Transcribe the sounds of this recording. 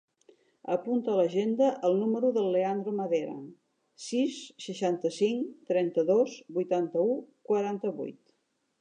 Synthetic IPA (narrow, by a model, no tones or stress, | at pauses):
əpunt̪ələʒend̪əʔəlˠnuməɾuðəlˠːeand̪ɾoməðeɾə̰ | sisːəʃant̪əsiŋt̪ɾɛnt̪əðozbujt̪ant̪əukwəɾant̪əβṵjt̪